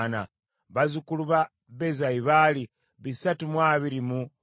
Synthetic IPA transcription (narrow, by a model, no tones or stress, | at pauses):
na̰ | βazukuluβa | βezaiβali | βisatumwaːβiɾimu